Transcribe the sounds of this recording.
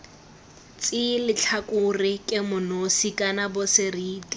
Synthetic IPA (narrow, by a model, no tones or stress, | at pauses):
t͡sʼɪlɪt͡ɬʰakʼʊrɪkʼɪmʊnosikʼanabʊsɪriːtʼi